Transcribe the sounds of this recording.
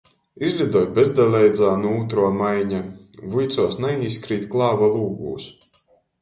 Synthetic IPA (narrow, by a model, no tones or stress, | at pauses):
izʲlʲud̪ɔjbezd̪alʲɛjd̪zaːnuuːt̪ɾuɔmajɲa | vujt̪suɔsnaiːskɾiːt̪klˠɑːvalˠuːɡṵːs